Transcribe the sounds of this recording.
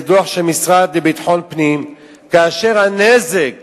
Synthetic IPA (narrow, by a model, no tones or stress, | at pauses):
d̪uaħʃemisʁad̪̚debit̪ħo̞npnim | kaːʃe̞ʁhanezek